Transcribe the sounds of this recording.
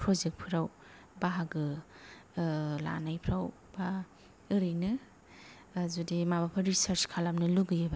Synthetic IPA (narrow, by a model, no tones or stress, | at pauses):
pʰɾozek̚t̚pʰɯɾaw | baɦaɡɯ | la̰najpʰɾaw | ba | ɯɾɯjnɯ | zudimabapʰaɾisaɾt͡ʃkʰalamnɯluɡɯjɯba